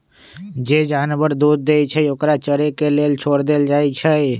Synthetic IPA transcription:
d͡ʒeːd͡ʒaːnʋəɾd̪uːd̪ːeːit͡ʃʰəokɾat͡ʃəɾekeleːlt͡ʃʰoːɽd̪eːld͡ʒaːit͡ʃʰə

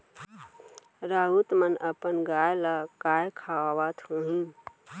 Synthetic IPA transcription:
ɾaɦut̪mənəpənɡajləkajkʰaaʋat̪ʰũɦĩ

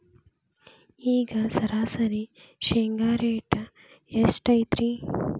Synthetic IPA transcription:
iːɡɐsɐɾaːsɐɾiʃeŋɡaːɾeːʈɐ | esʈɐjt̪ɾi

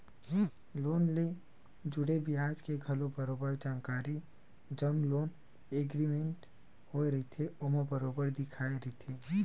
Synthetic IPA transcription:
loːnle | d͡ʒʊɽebɪɦaːd͡ʒkeɡʱɐlõbəɾoːbəɾd͡ʒaːnkaːɾi | d͡ʒɐmloːn | eːɡɾimẽɳʈ | hoeɾɐɦit̪ʰeʊmõbəɾoːbəɾd̪ɪkʰaːeɾəit̪ʰeː

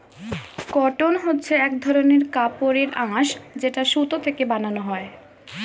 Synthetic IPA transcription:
kɔʈonɦotːɕʰeɛk̚d̪ʱɔɾoneɾkapoɾeɾʔãʃd͡ʑeʈaʃut̪ot̪ʰekebananoɦɔe

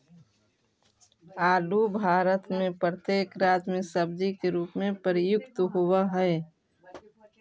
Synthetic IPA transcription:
aːɖubʱaːɾət̪mẽpɾət̪eːkɾaːt̪mɪ̃səb̚d͡ʒikeɾuːpmẽpəɾɪjʊkt̪ɦowaɦɛe

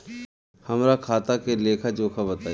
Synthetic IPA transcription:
hɐmɾakʰaːt̪akeleːkʰad͡ʒoːkʰabɐt̪aː

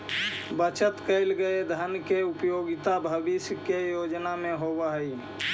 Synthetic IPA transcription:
bət͡ʃət̪kəɪlɡəed̪ʱənkeupjoɡɪt̪abʱəbisjkejod͡ʒnamẽɦobəɦəi

